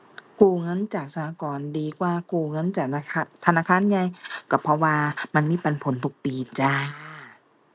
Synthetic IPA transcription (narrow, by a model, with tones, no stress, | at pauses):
kuː˧˩ŋɤ˧˥˨nt͡ɕaː˨˩k̚sa˧ha˧kɔː˨ndiː˨˩kwaː˧kuː˧˩ŋɤ˧˥˨nt͡ɕaː˨˩˧t̪ʰa˧naː˧˥˩kʰaː˧˥˨nɲa˧˨jka˧˩pʰɔ˧waː˧ma˧˨nmiː˧˥˨pa˨npʰo˨˦nt̪ʰu˧˦k̚piː˨˧t͡ɕa˧